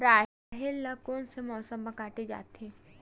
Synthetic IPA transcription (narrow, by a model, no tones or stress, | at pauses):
ɾaː | ɦɪlːɐkonsemɔːsəmbɐkaːʈed͡ʒa̰ːt̪ẽː